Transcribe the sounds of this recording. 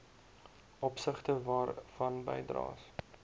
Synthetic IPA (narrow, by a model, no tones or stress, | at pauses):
ʔɔpsəχtəvɑːrfɐnbə̰jdrɑ̰ːs